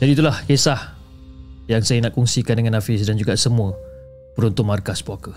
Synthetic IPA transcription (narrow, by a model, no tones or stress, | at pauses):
d͡ʒadiːt̪ulahkesah | jaŋsajanaʔkɔŋsikandəŋanafisdand͡ʒuɡasəmũə | pəɾunt̪ʊnmarkaspɔkə